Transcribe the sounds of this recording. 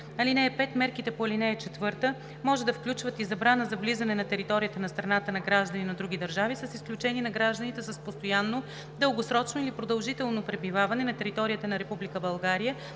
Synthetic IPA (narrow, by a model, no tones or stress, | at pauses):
ɐlinɛːpɛt̪mɛɾkit̪ɛpoɐlinɛːt͡ʃɛt̪vɤɾt̪ə | mɔʒɛd̪ɐfklʲut͡ʃvət̪izɐbɾanəzɐvlizɐnɛnɐt̪ɛɾit̪ɔɾijət̪ənɐst̪ɾɐnat̪ənɐɡɾaʒd̪ɐninɐd̪ɾuɡʲid̪ɐɾʒavisəsisklʲut͡ʃɛninɐɡɾaʒd̪ənit̪ɛsəspost̪ojanːo | d̪əlˠɡosɾɔt͡ʃnoilipɾod̪ɐlˠʒit̪ɛlˠnopɾɛbivavɐnɛnɐt̪ɛɾit̪ɔɾijət̪ənɐɾɛpublikəbɐlˠɡaɾijə